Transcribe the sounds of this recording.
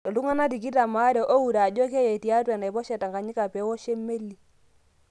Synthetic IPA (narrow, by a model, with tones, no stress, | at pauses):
tɔ˨lu˦ŋa˦na˦ti˨ki˦ta˨ma˨˦ɾɛ˨ʔo˦u˨ɾa˨d͡ʒɔ˦kɛ˦ja˨ti˨a˦twɛ˨na˨i˨bɔ˦ʃɛ˨ta˨ŋɡa˨ɲi˦ka˨pɛ˨˦wɔ˦ʃe˦me˦lːi˨